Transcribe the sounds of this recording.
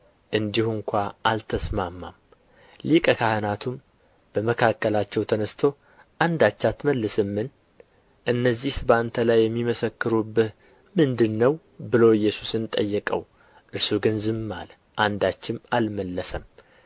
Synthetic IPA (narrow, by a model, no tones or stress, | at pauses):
ʔɨnd̪ihuŋkʷaʔalt̪ʰəsmamːa̰m | likʼəkʰahɨnat̪ʰum | b̥əməkʰakːəlat͡ʃːɛwt̪ʰənəst̪ʰo̞ | ʔand̪at͡ʃːat̪məlːɨsɨmːɨn | ʔɨnːəzːihsbant̪ʰəlajːɛmːiməsəkːɨɾubɨh | mɨnd̪ɨnːəw | bɨlo̞jːɛsu̥sɨnt̪ʼəjːɛkʼə̰w | ʔɨɾsuɡɨnzɨmːa̰l | ʔand̪at͡ʃːɪmalməlːəsəm